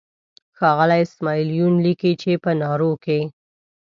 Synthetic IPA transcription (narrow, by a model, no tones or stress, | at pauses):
xɑɣəlajɪsmɑilijunlikit͡ʃepənɑɾoke